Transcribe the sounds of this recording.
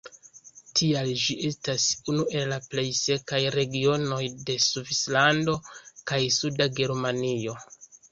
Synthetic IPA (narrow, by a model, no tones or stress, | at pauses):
tʰiald͡ʒiʔe̞stasunuʔe̞llaple̞jse̞kajɾe̞ɡio̞no̞jde̞suvislando̞kajsudaɡe̞ɾmanio̞